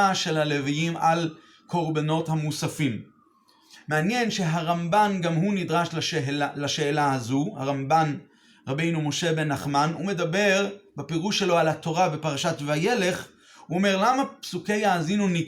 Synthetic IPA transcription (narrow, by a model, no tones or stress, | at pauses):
aʃe̞lhale̞vijimal | kʰo̞ʁbano̞thamusafim | mːeanje̞nʃe̞ɦaʁambanɡamɦunid̪ʁaʃllaʃe̞ːlaazuha̰ʁamban | ʁabe̞jnumo̞ʃe̞be̞naχmanume̞d̪abe̞ʁbepeʁuʃːelo̞alhat̪o̞ʁabepaʁaʃatvaje̞le̞χ | uome̞ʁlamapsuke̞jaːzinuni